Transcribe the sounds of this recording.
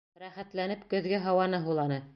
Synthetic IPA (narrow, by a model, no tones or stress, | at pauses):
ɾæχæt̪lænɘpkɵ̆ðɡæɦɑwɑnɤɦulˠɑnɤ